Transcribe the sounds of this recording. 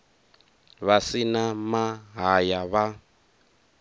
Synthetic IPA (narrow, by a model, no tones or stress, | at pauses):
βasinamaɦajaβa